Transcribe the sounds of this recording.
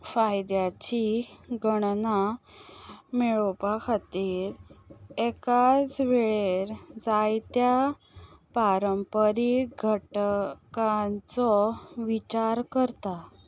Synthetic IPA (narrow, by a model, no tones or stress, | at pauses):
fajd̪jat͡ɕiɡʱəɽna | meɭopakʰat̪iːɾekat͡sʋeɭeɾd͡zajt̪ja | paɾəmpəɾiɡʱəʈkant͡sɔʋit͡ɕaɾkəɾt̪a